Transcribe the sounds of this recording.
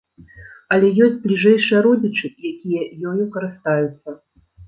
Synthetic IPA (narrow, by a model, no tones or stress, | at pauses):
ɐlʲɛjɔsʲtʲt͡sʲblʲiʐɛjʂɨjɐɾɔd͡zʲit͡ʂɨjakʲijɐjɔjʲukɐɾɨst̪ajut̪sːɐ